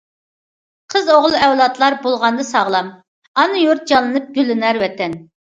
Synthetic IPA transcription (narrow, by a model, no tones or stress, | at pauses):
qʰəzoʁlˠɨɛwlˠɑt̪ʰlˠɑɾbolˠʁɑnd̪ɨsɑʁlˠɑm | ɑnɨjuɾt̪̚d͡ʒɑnlˠɨnɨp̚ɡ̥ʲølːɪnæɾwɛt̪ʰːɛn